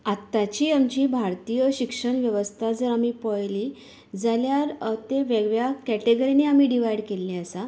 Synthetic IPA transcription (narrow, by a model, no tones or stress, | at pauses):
at̪ːat͡ɕiːamt͡ɕiːbʱaɾt̪iːjəɕikʂəɳʋjəʋəst̪ʰad͡zəɾamipəjliː | d͡zaljaɾt̪eʋeɡʋjakæʈeɡəɾineamiːɖiʋajɽkelːĩəsa